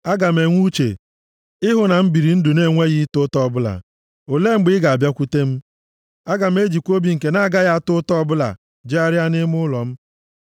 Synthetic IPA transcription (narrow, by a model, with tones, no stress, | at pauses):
a˦ɡa˨m̩e˨ŋʷu˦t͡ʃḛ˨ | ɪ˦ɦʊ˨na˨m̩˦bi˨ɾi˨n̩˦dʊ˨ne˦˨ŋʷe˦ɣi˦tʊ˦tɔ˦ɔ˨bʊ˦la̰˨ | o˨le˦ŋ͡m̩˦ɡ͡bɪ˦ɡa˨a˨bja˦kʷu˦te˦m̩˦ | a˦ɡa˨m̩˦e˦d͡ʒi˨kʷo˦bi˨˦ŋ̩˨ke˨na˦a˨ɡa˦ja˦a˨tʊ˦tɔ˦bʊ˦la̰˨ | d͡ʒe˦a˦ɾɪ˦a˦nɪ˦mʊ˦lɔ˨m̩˦